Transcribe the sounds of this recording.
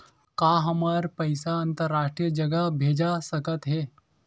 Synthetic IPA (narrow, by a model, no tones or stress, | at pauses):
kaɦəmaɾpəɪsaənt̪əɾːaːʂʈɾijəd͡ʒəɡabʱeːd͡ʒasəkət̪ɦe